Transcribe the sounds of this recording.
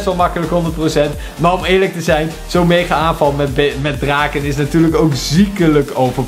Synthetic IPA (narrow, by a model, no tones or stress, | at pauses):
stʋɑlˠmɑkələkɦɔndəɹt̚prosɛnt | maːɹɔmɪːɹlək̚təzɛjn | z̥owmejχəaːnvɑlˠmɛbmɛd̚draːkənɪsnatyːɹləkowkzikələkowvəɹ